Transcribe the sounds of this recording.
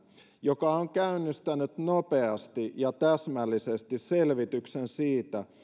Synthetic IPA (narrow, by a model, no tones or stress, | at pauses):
jokɑoŋkæynːist̪ænyt̪nope̞ɑst̪ijɑt̪æsmælːisest̪isse̞lʋit̪yksensiːt̪æ